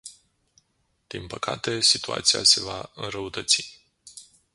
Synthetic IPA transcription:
d̪̥inpəkʰa̰t̪e̞sit̪ua̰t̪sia̰se̞vaɨnɾəut̪ət̪si̥

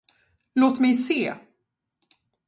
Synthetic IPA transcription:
loːt̪mɛjseː

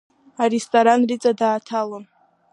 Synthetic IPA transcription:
aristʼoɾanrit͡sʼadaːtʰalon

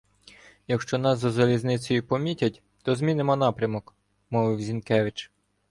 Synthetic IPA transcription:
jɐkʃt͡ʃɔn̪ɑsːɔzɐlʲiznɪt͡sʲɔjʊpɔmʲitʲɐtʲ | t̪ɔzmʲinɪmɔnɑpɾʲɐmɔk | mɔʋɪwzʲinkɛʋɪt͡ʃ

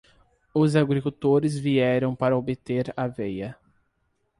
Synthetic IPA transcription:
ʊzaɡɾikut̪oɾɪzviɛɾɐ̃w̃paɾɐobet̪eɾavejɐ

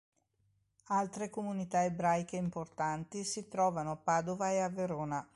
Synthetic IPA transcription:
alt̪ɾekomunit̪aebɾajk̟eimport̪ant̪isit̪ɾɔːvanoapːaːd̪ovaeavːeɾoːna

